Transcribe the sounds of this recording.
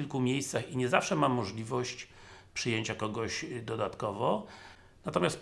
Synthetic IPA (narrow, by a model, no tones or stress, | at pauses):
ilkumʲejst̪saxiɲɛzafʂɛmamːɔʐlʲivɔɕt͡ɕpʂɘjeɲt͡ɕakɔɡɔʑd̪ɔd̪at̪kɔvɔ | nat̪ɔmʲjast̪